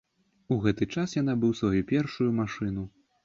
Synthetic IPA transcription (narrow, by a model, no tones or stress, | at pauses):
uɣɛt̪ɨt͡ʂasjanabɨwsvajupʲɛrʂujumaʂɨn̪u